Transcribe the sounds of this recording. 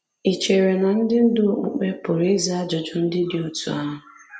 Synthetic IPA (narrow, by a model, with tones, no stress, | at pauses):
i˨t͡ʃe˨ɾe˨na˨n̩˦dɪ˦n̩˦dʊ˦˨k͡pṵ˨k͡pe˦pʊ˨ɾe˦za˦a˦d͡ʒɔ˨d͡ʒʊ˨n̩˦dɪ˦dɪ˦o˦tṵ˨a˦ɦʊ˨